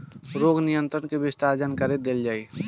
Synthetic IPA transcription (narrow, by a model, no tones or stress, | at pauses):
ɾoːɡnɪjə̃nt̪ɾənkebɪst̪aːɾd͡ʒənkəɾed̪eld͡ʒaːiː